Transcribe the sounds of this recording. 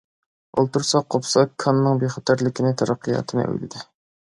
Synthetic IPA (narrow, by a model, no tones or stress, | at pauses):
o̰lˠt̪uɾsɑqʰːopsɑkʰːɑnːɨŋbeχɑt̪ʰæɾlɪkʲinɪt̪ʰæɾɑqʰːijɑ̰ːt̪ʰɨnɨ̰ʔø̰jlɪ̰d̪ɪ